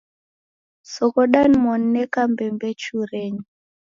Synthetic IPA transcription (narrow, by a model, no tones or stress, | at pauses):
sɔkɔɗanmɔnːɛkambɛmbɛt͡ʃuɾɛɲi